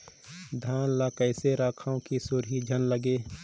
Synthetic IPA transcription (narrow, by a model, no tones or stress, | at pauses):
d̪ʱaːnlaːkəɪseɾaːkʰaõkisʊɾɦid͡ʒʱənləɡeː